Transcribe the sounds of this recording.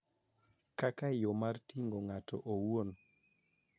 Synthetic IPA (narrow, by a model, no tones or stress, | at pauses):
kakajomartiŋɡoŋatɔ̰ʔowon